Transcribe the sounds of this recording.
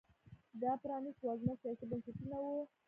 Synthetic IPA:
d̪ɑpɾɑniswɑznasijɑsibənsɪt̪unawu

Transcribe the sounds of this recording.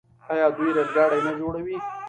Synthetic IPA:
aːjɑːd̪ujɾezɡɑːɽajnad͡ʒoɽawi

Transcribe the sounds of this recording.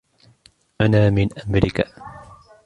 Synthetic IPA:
ʔanaːmɪnʔamɾɪka

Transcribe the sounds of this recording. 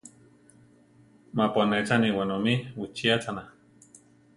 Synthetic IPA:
maponet͡saniwanomiwit͡ʃiat͡sana

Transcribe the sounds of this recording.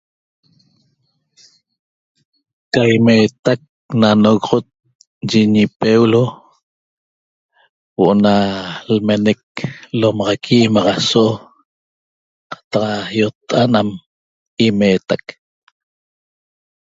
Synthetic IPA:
kajmet̪ak̚ | nanoɣoʁot̪̚ | d͡ʒiɲipewlo | woʔonalmenek̚lomɑʁɑkʰimɑʁɑsoʔo | qɑ̥t̪ɑqjot̪ːʔanam | imeːt̪ak

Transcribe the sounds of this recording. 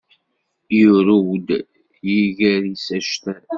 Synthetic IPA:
jʊɾuwd̪ | jiɣæɾisæʃt̪æ

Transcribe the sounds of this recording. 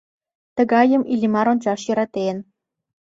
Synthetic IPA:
t̪ə̆ɣɑjə̆milʲimɑɾonʲt͡ɕɑʃjɤ̆ɾɑt̪en

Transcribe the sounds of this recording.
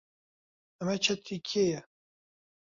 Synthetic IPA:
ɛmɛt͡ʃʰɛt̪ikʰejɛ

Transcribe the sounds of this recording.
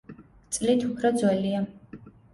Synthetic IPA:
t̪sʼlit̪ʰupʰɾɔd̪zwɛlia

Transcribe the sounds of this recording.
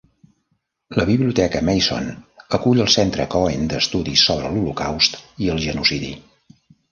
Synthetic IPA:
ləβiβliut̪ɛkəmɛjso̰nəkuʎəlˠsɛnt̪ɾəkɔend̪əst̪uðisːoβ̞ɾəlulukawst̪iəlˠʒənusiðḭ

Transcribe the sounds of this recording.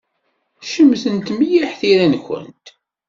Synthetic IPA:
ʃəmːθənt̪mijiħθiɾænçə̰nt̪

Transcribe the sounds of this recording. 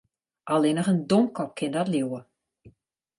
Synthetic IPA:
ʔalˠɪnəχəndomkʰɔp̚kʰɪndɔtljuwə

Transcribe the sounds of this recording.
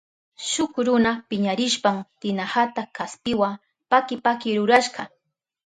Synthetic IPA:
ʃʊkɾʊnapɪɲaɾɪʃpamt̪ɪnahat̪akaspɪwa | pakɪpakɪɾʊɾaʃɢɑ

